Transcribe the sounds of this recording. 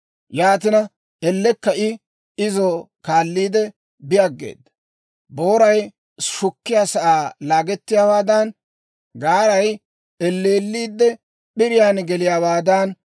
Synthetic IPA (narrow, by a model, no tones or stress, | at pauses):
jaːt̪̬ɪnɐ | ɛlːɛkːɐʔɪ | ɪzo | kaːlːiːd̪ɛ | bɪjaɡːḛːd̪ːɐ | bo̞ːɾɐj | ʃʊkːɪjaːsɐʔaːlaːɡɛt̪ːɪjaːwaːd̪ɐn | ɡaːɾɐj | ɛlːeːlːiːd̪ːɛ | ɓɪɾɪjaːnɡɛlɪjaːwaːd̪ɐn